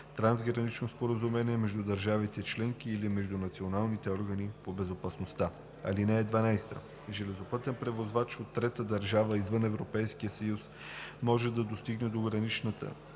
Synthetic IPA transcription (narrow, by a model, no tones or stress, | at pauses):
t̪ɾanzɡɾɐnit͡ʃnospoɾəzumɛniɛmɛʒd̪ud̪ɐɾʒavit̪ɛt͡ʃlɛŋkiːlimɛʒd̪unɐt̪sionalˠnit̪ɛɔɾɡənipobɛzopɐsnost̪a | ɐ̰linɛːd̪vɐnajst̪ə̰ | ʒɛlɛzopɤt̪ɛnpɾɛvozvat͡ʃot̪ːɾɛt̪əd̪ɐɾʒavəizvɤnɛvɾopɛjskijəsɐjus | mɔʒɛd̪ɐd̪ost̪iɡnɛd̪oɡɾɐnit͡ʃnət̪ə̰